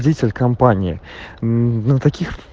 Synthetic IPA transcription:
dʲitʲɪlʲkɐmpanʲɪɪ | nət̪ɐkʲix

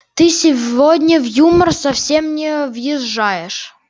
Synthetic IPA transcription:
t̪ɨsʲɪvvodʲnʲəvjumərsɐfsʲemnʲɪvjɪʐːajɪʂ

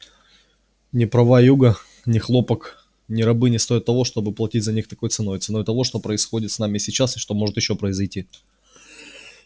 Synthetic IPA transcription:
nʲɪpɾɐvajjuɡə | nʲɪxlˠo̞pək | nʲɪɾɐbɨnʲɪst̪o̞jɪt̪ːɐvo̞ʂt̪o̞bɨplˠɐtʲitʲzɐnʲixt̪ɐko̞j̪sɨno̞jt̪sɨno̞jt̪ɐvo̞ʂt̪o̞pɾəɪsxo̞dʲɪt̪snamʲɪsʲɪt͡ɕːasɨʂt̪o̞mo̞ʐɨt̪jɪɕːo̞pɾəɪzɐjtʲi

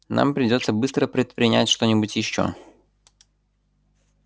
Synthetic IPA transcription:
nʔa̰mpɾʲɪdʲo̞t̪səbɨst̪ɾəpɾʲɪt̪̚pɾʲɪnʲæ̰tʲʂt̪o̞nʲɪbʊtʲjɪɕːo̞̰

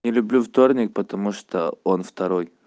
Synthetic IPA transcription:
nʲɪlʲʊblʲuvt̪o̞rnʲɪk̚pət̪ɐmuʂt̪oonft̪ɐɾo̞j

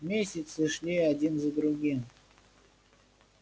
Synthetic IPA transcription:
mʲesʲɪt̪sɨʂlʲiadʲinzəd̪ɾuɡʲim

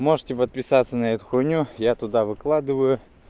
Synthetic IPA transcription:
mo̞ʐɨtʲɪpət̪̚pʲɪsat̪sənɐɛt̪ʊ̥xʊnʲujat̪ʊd̪avɨklˠad̪ɨvəjʊ

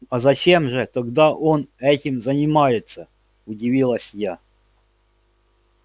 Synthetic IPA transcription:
ɐzɐt͡ɕe̞mʐɨt̪ɐɡd̪aʔonɛtʲɪmzənʲɪmajɪt̪sə | ʊdʲɪvʲilˠəsʲja

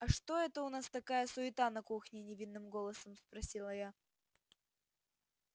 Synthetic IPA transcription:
ɐʂt̪o̞ɛt̪əʊnast̪ɐkajəsʊɪt̪anɐkuxnʲɪnʲɪvʲinːɨmɡo̞lˠəsəmspɾɐsʲilˠəja

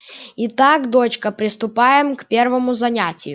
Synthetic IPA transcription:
it̪akd̪o̞t͡ɕkəpɾʲɪst̪ʊpajɪmkpʲe̞rvɐmʊzɐnʲætʲɪjʊ

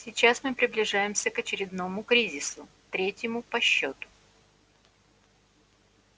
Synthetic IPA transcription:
sʲɪt͡ɕasmɨpɾʲɪblʲɪʐajɪmsʲəkət͡ɕɪɾʲɪd̪no̞mʊkɾʲizʲɪsʊ | t̪ɾʲetʲjɪmʊpɐɕːot̪ʊ̥

